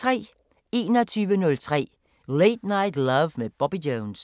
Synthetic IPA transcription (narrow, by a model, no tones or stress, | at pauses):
t͡sʰʁɛ̰ː | e̝ːnɒt͡sʰyːʋənɔ̽lt͡sʰʁɛ̰ː | leɪd̥näɪ̰dlʌʋmeb̥ɒb̥idoʊns